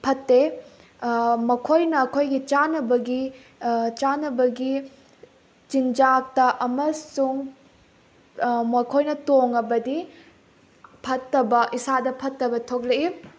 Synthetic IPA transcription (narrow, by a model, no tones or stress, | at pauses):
pʰɐtːe | mɐkʰojnɐːkʰojɡit͡ʃanɐbɐɡi | t͡ʃanɐbɐɡi | t͡ʃind͡ʒak̚tɐʔɐmɐsuŋ | mɐkʰojnɐtoŋɐbɐdi | pʰɐtːɐbɐʔisadɐpʰɐtːɐbɐtʰok̚lɐi